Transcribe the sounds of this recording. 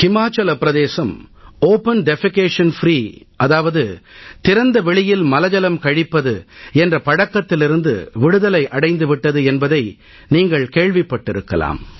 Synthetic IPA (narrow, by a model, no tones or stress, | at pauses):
kɪmaːt͡ʃːɐlɐpɪɾɐðeːsɐmoːpɐnɖɛfɪkeːʂɐnfɾiː | ʔɐðaːʋɐðɯt̪ɪɾɐnd̪ɐʋɛɭɪjɪlmɐlɐd͡ʒɐlɐmkɐɻɪpːɐðɯɛndrɐpɐɽɐkːɐt̪ːɪlɪɾɯnd̪ɯ̰ʋɪɽɯðɐlɐɪʔɐɽɐɪnd̪ɯʋɪʈːɐðɯɛnbɐðɐɪ | niːŋɡɐɭkeːɻʋɪpːɐʈːɪɾɯkːɐla̰ːm